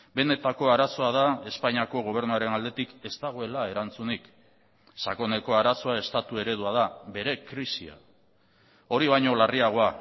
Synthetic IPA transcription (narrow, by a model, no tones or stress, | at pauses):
be̞ne̞t̪ako̞aɾaso̞að̞ae̞spaɲiako̞ɣ̞o̞β̞e̞ɾnuaɾe̞nald̪e̞t̪ike̞st̪aɣ̞oe̞lae̞ɾant͡sunik | sako̞ne̞ko̞aɾaso̞ae̞st̪at̪ue̞ɾe̞ðuað̞aβe̞ɾe̞kɾisia̰ | o̞ɾiβajɲo̞lariaɣ̞o̞a